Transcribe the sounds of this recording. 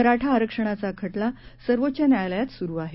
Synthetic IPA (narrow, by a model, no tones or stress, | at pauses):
əɾaʈʰaːɾəkʂəɽ̃at͡sakʰəʈlasəɾʋot̪ːt͡ɕjanjajləjat̪suɾuːaɦe